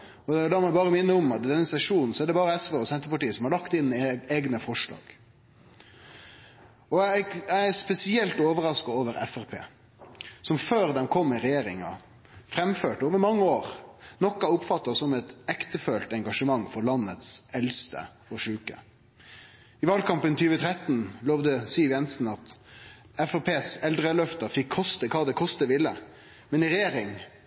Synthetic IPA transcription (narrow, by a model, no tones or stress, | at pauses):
ɔd̪ɛd̪ɑmɛbɑːɾəmɪnːəɔmɑt̪d̪ɛnːəsɛʂuːnn̩sɔæɖɛbɑːɾəɛsʋeːɔsɛnt̪əɾpɑʈiːəsɔmhɑɾɭɑkt̪ɪnːeːɡnəfɔʂlɑ̰ːɡ̥ | ɔæɪæspɛsɪɛlt̪oːʋəɾɑskɑoːʋəɾɛ̰fæɾpʰḛː | sɔmføːɾd̪ɛmkʰɔmːɪɾɛjeːɾɪŋɑ̰ | fɾɛmføːʈoːʋəɾmɑŋːəoːɾnɔkːɑʊpfɑt̪ːɑsɔmɛt̪ɛkt̪əføːlt̪ɛŋɡɑʂəmɑŋːfɔɾlɑnːət̪sɛlst̪ə̰ | ɔʂʉːkə̰ | ɪʋɑːlkɑmpənt̪ʰyːʋət̪ʰɾɛt̪ːnloːʋd̪əsiːʋjɛnsn̩ɑt̪ | ɛfæʁpʰeːsɛld̪ʁəlœft̪ɑfɪkʰːɔst̪əkʰɑːd̪ɛkʰɔst̪əʋɪlːə | mɛnɪɾɛjeːɾɪŋ